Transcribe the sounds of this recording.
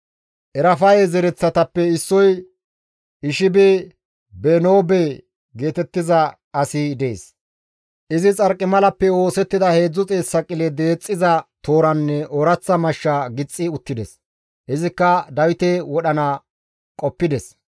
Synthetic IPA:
ʔɛɾɐfɐjɛzɛɾɛt͡sːɐt̪ɐpːɛɪsːɔj | ɪʃɪbɛ | beno̞ːbe | ɡe̞ːt̪ɛt̪ːɪzɐ | ɐsɪd̪ḛːs | ʔɪzɪt͡sʼɐɾkʼːɪmɐlɐpːɛo̞ːsɛt̪ːɪd̪ɐhe̞ːd͡zːɔt͡sʼeːsːɐkʼɪlɛd̪e̞ːt͡sʼːɪzɐt̪o̞ːɾɐnːɛɔɾɐt͡sːɐmɐʃːɐɡɪt͡sʼːɪʊt̪ːɪd̪ɛs | hɪzɪkːɐd̪ɐwɪt̪ɛwɔɗɐnɐ | kʼɔpːɪd̪ɛs

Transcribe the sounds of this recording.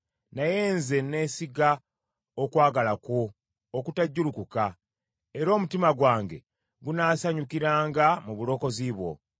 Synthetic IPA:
naje̞ːnze̞ne̞siɡa | okwaːɡalako̞ː | kutaɟːulukuka | e̞ɾo̞ːmutimaɡwaːŋɡe̞̰ | ɡunaːsaɲukiɾaːŋɡamuβulo̞ːko̞ziːβwo̞̰

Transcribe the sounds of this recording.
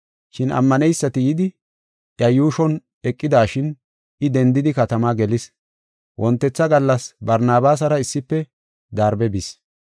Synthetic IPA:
ʃɪnɐ̰mːɐnɛjsːɐt̪ɪjɪd̪ɪ | ʔjɐjuːʃɔn | ɛkʼːɪd̪aːʃɪn | ɪd̪ɛnd̪ɪd̪ɪkɐt̪ɐmaɡɛlɪs | wʔɔnt̪ːɛt͡sːɐɡɐlːɐsbɐɾnaːbaːs̬ɐɾɐɪsːɪpːɛ | d̪aːɾbɛbis

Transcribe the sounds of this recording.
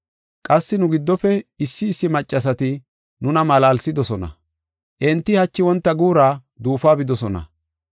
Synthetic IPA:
kʼɐsːɪnʊɡɪd̪ːɔfɛɪsːɪːsːɪmɐt͡ʃʼːɐs̬ɐt̪ɪ | nʊnɐmɐlaːlsɪd̪ɔsɔnɐ̰ | ʔɛnt̪ːɪhɐt͡ʃːɪwɔnt̪ːɐɡuːɾaː | d̪uːfaːbɪd̪ɔsɔnɐ̰

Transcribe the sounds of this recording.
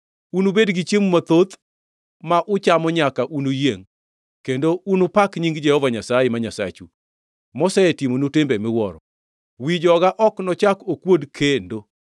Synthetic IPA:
unubedɡit͡ʃjemumat̪ot̪ | maʔʊt͡ʃamɔɲakaʔunujeŋ | kendounopakɲiŋɡd͡ʒɛhɔvaɲasajemaɲasa̰t͡ʃṵ | mɔsaetimonutɪmbɛmɪwɔɾɔ | wid͡ʒɔɡaʔɔknɔt͡ʃakokwodkʰendo

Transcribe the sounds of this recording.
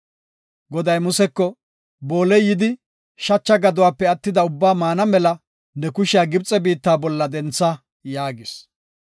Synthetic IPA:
ɡɔd̪ɐjmʊsɛkːɔ | bo̞ːlɛjjːɪd̪ɪ | ʃɐt͡ʃːɐɡɐd̪ʊwaːpːɛɐt̪ːɪd̪ɐʊbːaːmaːnɐmɛlɐ | nɛkʊʃɪjaːɡɪbt͡sʼɛbiːt̪ːaːbɔlːɐd̪ɛnt͡sːɐ | jaːɡɪs

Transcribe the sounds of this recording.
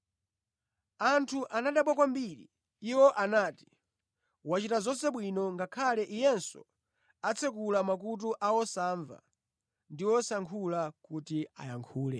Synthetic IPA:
antʰuʔanaɗapɔkwambiɾḭ | iwɔʔanaːti̥ | wat͡ʃitazɔnsɛɓwinɔŋɡakʰalɛʔijɛnsɔ̰ | at͡sʰɛk̬ulamak̬ut̬uʔawɔsaːɱva̰ | ndiwɔsaŋkʰulakutia̰jaŋkʰuːlɛ

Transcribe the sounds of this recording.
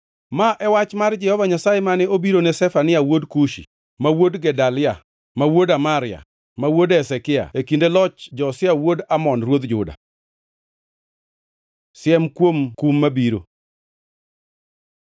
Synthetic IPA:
maʔɛwat͡ʃmard͡ʒɛhɔvaɲasajemanɛobiɾonɛsɛfanɪawodkuʃḭ | mawodɡɛdalɪa | mawodamaɾɪa̰ | mawodɛsɛkɪa̰ekindelɔt͡ʃd͡ʒɔsɪawodamɔnrwod̪d͡ʒʊda̰ | sɪɛmkwomkumːabiɾo̰

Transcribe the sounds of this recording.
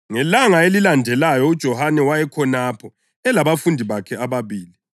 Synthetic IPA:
ŋɛlaŋaelilandʱɛlajɔud̥ʒ̥ʱɔhanɛwajɛkʰɔnapʰɔ | ɛlaβafundʱiβakʰɛaβaβiːli

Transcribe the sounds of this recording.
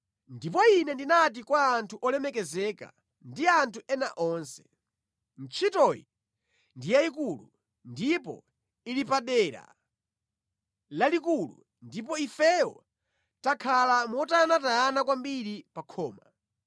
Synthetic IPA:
ndipɔinɛndinatikwaːntʰuʔɔlɛmɛkɛzɛka̰ | ndiantʰuɛna̰ʔɔːnsɛ̥ | n̩t͡ʃʰitɔji | ndijaikulu | ndipɔ̰ | ilipaɗɛːɾa̰ | lalikulu | ndip̬ɔifɛɔ̰ | takʰalamɔtanataːnakwambiɾipakʰɔːma

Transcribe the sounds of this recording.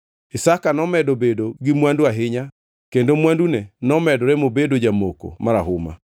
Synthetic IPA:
esakanɔmɛdobedoɡɪmwanduaɦɪɲa | kendomwandunɛnɔmɛdoɾɛmobedod͡ʒamoko̰maɾaɦoma̰

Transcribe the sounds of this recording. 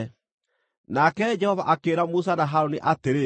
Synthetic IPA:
nakɛd͡ʒɛhɔvaʔakeːɾamus̬anaɦaɾoniʔateɾe

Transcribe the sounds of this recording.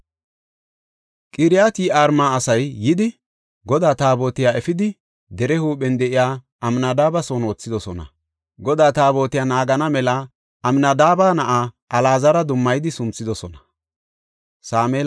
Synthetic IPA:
kʼɪɾɪjaːt̪iːaːɾmaːsɐjːɪd̪ɪ | ɡɔd̪aːt̪aːbo̞ːt̪ɪjaːɛfɪd̪ɪ | d̪ɛɾɛhuːɓɛnd̪ɛʔɪjaː | ʔɐmnɐd̪aːbɐsoːno̞ːt͡sːɪd̪ɔsɔnɐ̰ | ɡɔd̪aːt̪aːbo̞ːt̪ɪjaːnaːɡɐnɐmɛlɐ | ɐmnɐd̪aːbaːnɐʔa | ɐlaːzɐɾɐd̪ʊmːɐjd̪ɪsʊmt͡sːɪd̪ɔsɔnɐ | saːmeːl

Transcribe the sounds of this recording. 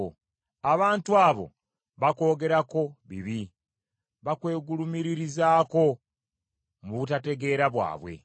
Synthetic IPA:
aβaːntuaːβo̰ | βako̞ːɡe̞ɾako̞βḭβi | βakwe̞ːɡulumiɾiɾizaːko̞ | muβutate̞ɡe̞ɾaβwa̰ːβwe̞̰

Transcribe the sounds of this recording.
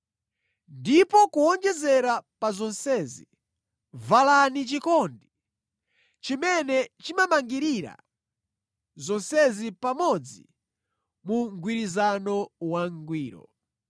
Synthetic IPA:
ndipɔkuɔnd͡ʒɛzɛɾapazɔnsɛzi | valanit͡ʃikɔndi | t͡ʃimɛnɛt͡ʃimamaŋɡiɾiɾa̰ | zɔnsɛzipamɔd͡zi | muŋɡwiɾizanɔwaŋɡwiːɾɔ̰

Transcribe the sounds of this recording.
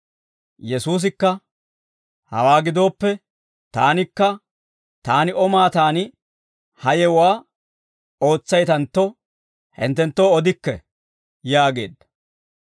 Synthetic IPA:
jɛsuːs̬ɪkːɐ | hɐ̰waːɡɪd̪o̞ːpːɛ | t̪aːnɪkːɐ | t̪aːnɪʔɔmaːt̪aːnɪ | hɐjɛwaː | o̞ːt͡sːɐjt̪ɐnt̪ːɔ | hɪ̰nt̪ːɛnt̪ːo̞ːɔd̪ɪkːɛ̰ | jaːɡe̞ːd̪ːɐ̥

